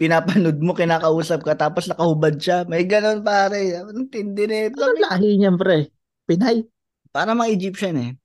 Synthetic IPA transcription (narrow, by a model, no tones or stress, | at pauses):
pɪnaːpɐnod̪̚mo̞kɪnaːkɐʔuːsɐp̚kɐt̪aːposnɐkɐhʊbad̪̚ʃamɐjɡɐno̞npaːɾɛnɐnt̪ɪnd̪ɪnɛlɐoŋlaːɦɪɲɐmpɾɛ | pɪnaj | paːɾɐmɐŋaʔɪd͡ʒip̚ʃɐnɛ